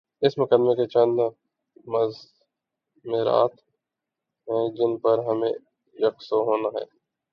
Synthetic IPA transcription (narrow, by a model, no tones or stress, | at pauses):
ɪsmʊkəd̪meket͡ʃɐ̃nd̪ | mɐz | meɾa̰ːt̪ | ɦɛ̃ːd͡ʒɪnpɐɾɦɐmẽ | jɐksoɦoːnaɦɛ̰ː